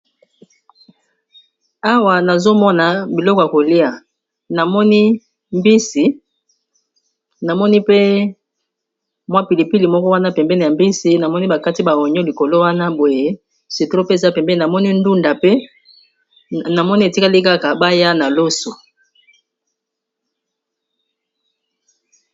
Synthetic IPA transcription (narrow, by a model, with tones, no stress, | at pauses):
a˦wa˨na˨zo˦mɔ˦na˨bi˨lɔ˦kɔ˨ja˨ko˨li˦a˨ | na˨mɔ˦ni˦ | mbi˦si˨ | na˨mɔ˦ni˦pe˦ | mwa˦pi˨li˨pi˦li˨mɔ˦kɔ˦wa˦na˦pɛ˨mbɛ˦ne˨ja˨mbi˦si˨na˨mɔ˦ni˦ba˨ka˦ti˦ba˨o˨ɲɔ˦li˨ko˨lo˦wa˦na˦bo˨je˦ | si˨to˦pe˦˨za˦pɛ˨mbɛ˦na˨mɔ˦ni˦ndu˦nda˨pe˦ | na˨mɔ˦ni˦e˨ti˦ka˦li˦ka˦ka˨ba˦ja˦na˨lo˦so˨